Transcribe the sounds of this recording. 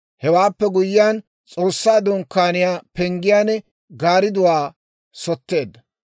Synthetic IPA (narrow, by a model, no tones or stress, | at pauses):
hɛwaːpːɛɡʊjːɪjaːn | t͡sʼo̞ːsːaːd̪ɔŋkːaːnɪjaːpɛŋɡɪjaːnɛ | ɡaːɾɪd̪ʊwaː | sɔt̪ːe̞ːd̪ːɐ